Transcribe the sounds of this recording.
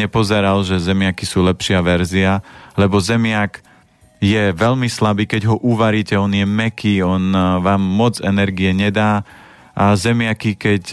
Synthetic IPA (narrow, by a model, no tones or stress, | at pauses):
ɲɛpɔzɛɾalʒɛzɛmɪakisuːlɛpʃɪaʋɛɾzialɛbɔzɛmɪak | jɛʋɛʎmislabiːkɛɟɦɔʔuʋaɾiːcɛɔnjɛmɛkiːɔnʋaːmːɔd͡zɛnɛɾɡiɛɲɛd̪aː | ʔazɛmɪakikɛc